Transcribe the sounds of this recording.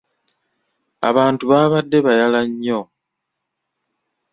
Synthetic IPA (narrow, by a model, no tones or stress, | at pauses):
a̰βaːntuβaːβadːe̞βajalaɲːo̞